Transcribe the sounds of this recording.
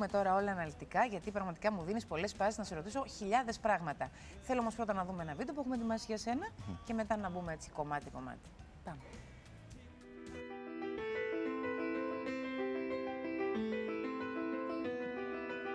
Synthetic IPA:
me̞t̪o̞ɾɐo̞lɐːnɐlit̪ikɐʝɐt̪ipɾɐɣmɐt̪i̥kɐmuðinispo̞le̞sfɐsiznɐseɾo̞t̪iso̞çiʎɐðe̞spɾɐɣmɐt̪ɐ | θeloomospɾo̞t̪ɐnɐðumeenɐvit̪op̬uexume̞t̪imɐsiʝɐse̞nɐce̞me̞t̪ɐnɐbumee̞t͡si̥ko̞mɐt̪iko̞mɐ̰t̪i̥ | pɐme

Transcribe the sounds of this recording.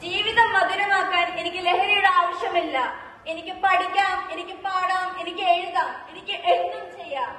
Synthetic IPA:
d͡ʑiːʋiðɐmːɐðuɾɐmaːkːaːne̞nikʲːɨle̞ɦɐɾijuɽeaːʋɐʂjɐmilːɐ | e̞nikʲːɨpɐɽikʲːaːme̞nikʲːɨpaːɽaːme̞nikʲːɨeɻuɣaːme̞nikʲːɨʔeɻut̪ːɐmt͡ɕe̞jːaːm

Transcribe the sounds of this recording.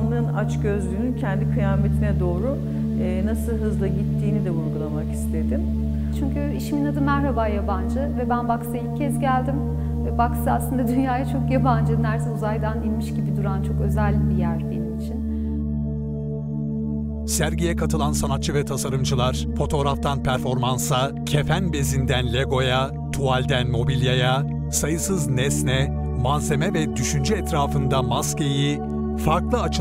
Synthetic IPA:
nlˠɯnat͡ʃɟø̞zlʲyːnyncʰɛnd̪ikʰɯjaːmet̪ʰinɛd̪o̞ːɾu | ɛːnasɯlˠɦɯzlˠaɟit̪ʰːiːnid̪ɛuɾɡulˠamaki̥st̪ʰe̞d̪im | t͡ʃʰyɲcyiʃiminad̪ɯmæɾhabaːjaband͡ʒɯvɛbænbaksɯilʲcʰːɛzɟælʲd̪im | ɛbaksɯaslˠɯnd̪ad̪ynjaːjat͡ʃʰo̞kjaband͡ʒɯnæɾsɛuzajd̪aninʲmiʃɟibid̪uɾant͡ʃʰo̞kø̞zælʲbijæɾbenimit͡ʃʰin | sæɾɟijɛkʰat̪ʰɯlˠansanat̪̚t͡ʃʰɯvɛt̪ʰasaɾɯmd͡ʒɯlˠaɾ̥ | fo̞t̪ʰo̞ːɾaft̪ʰanpʰæɾfo̞ɾmansa | cʰe̞fænbe̞zind̪ænlʲeɡo̞ja | t̪ʰualʲd̪ænmo̞bilʲjaja | sajɯsɯznɛsnɛ | manze̞mɛvɛd̪yʃynd͡ʒyɛt̪ʰɾaːfɯnd̪amasceji | faɾklˠɯat͡ʃʰ

